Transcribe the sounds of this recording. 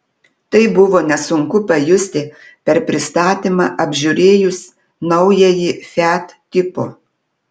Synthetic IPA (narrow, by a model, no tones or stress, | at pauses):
t̪ɐɪbʊʋoːnʲɛsʊŋkʊpɐjʊsʲt̪ʲɪ | pʲɛɾpʲɾʲɪst̪ɑːt̪ʲimɑ̰ːʔɐbʲʒʲʊɾʲeːjʊs | nɐʊjɛjifʲæt̪ːʲɪpo̰